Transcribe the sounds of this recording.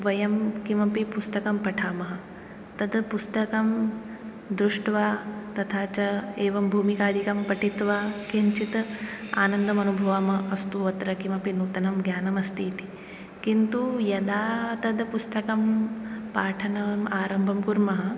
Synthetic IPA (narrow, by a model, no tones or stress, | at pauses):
ʋɐjɐmkimɐpipust̪ɐkɐmpɐʈʰaːmɐɦɐ | ɐt̪ɐd̪pust̪ɐkɐm | d̪ɾuʂʈʋaːt̪ɐt̪ʰaːt͡ʃɐeːʋɐmbʱuːmikaːd̪ʱikɐmpɐʈʰit̪ʋaːkint͡ʃit̪a̰ːnɐnd̪ɐmɐnubʱɐʋɐmɐɐst̪uʋɐt̪ɾɐkimɐpinuːt̪ɐnɐmɡjaːnɐmɐst̪iːt̪i̥ | kint̪ujɐd̪aːɐt̪ɐd̪pust̪ɐkɐmpaːʈʰɐnɐmaːɾɐmbʱɐmkuɾmɐɦɐ̆